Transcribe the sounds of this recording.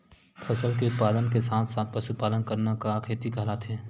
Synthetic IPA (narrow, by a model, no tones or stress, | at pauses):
pʰɐsəlkeʊt̪̚paːd̪ənkesaːt̪ʰsaːt̪̚ʰpɐʃupaːlənkəɾnakakʰeːt̪ikaːlat̪ʰẽː